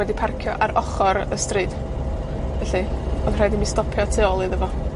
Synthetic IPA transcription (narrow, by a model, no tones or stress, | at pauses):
wɛdipʰarkʰjɔ̰ʔaɾɔχɔɾəstrɨːd | vɛɬɨɔðr̥ajdimistɔpʰjɔtʰeɔlˠiðəvɔ